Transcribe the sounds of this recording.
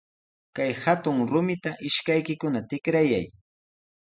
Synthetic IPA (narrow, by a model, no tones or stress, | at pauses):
kajhat̪ʊŋɾʊmɪt̪aʔɪʃkajkɪkʊnat̪ɪkɾajaj